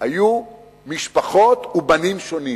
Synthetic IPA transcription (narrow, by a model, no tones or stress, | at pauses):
aju | miʃpaχo̞t̪ubanimʃo̞ni